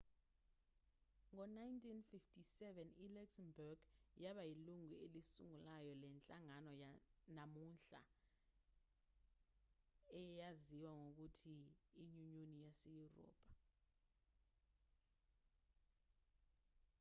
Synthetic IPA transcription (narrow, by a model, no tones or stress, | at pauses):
ŋɔnajntʼinfiftʰʼisɛvɛnilaksɛmbɔɡjaɓajiluŋuelisṵŋulajɔlɛnt͡ɬʼaŋanɔjanamunɬa̰ | ɛjaziwaŋok̬utʰiːɲuɲonijasejurɔ̰ːpʼḁ